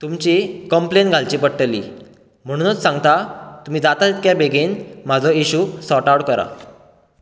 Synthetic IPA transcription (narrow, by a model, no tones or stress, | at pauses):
t̪umt͡ɕikəmplenɡʱalt͡ɕipəɽʈəlḭː | m̤əɽ̃ũnət͡ssãŋɡt̪at̪um̤iːd͡zat̪at̪it̪̚kjabʱeɡenmad͡zʱɔiɕusɔʈawɽkəɾa̰